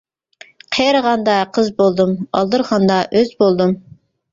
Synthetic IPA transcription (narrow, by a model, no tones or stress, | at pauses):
qʰejɾəʁɑnd̪ɑqʰəzbolˠd̪ɨmɑ̰lˠd̪ɨɾʁɑnd̪ɑʔøzbolˠd̪ɨm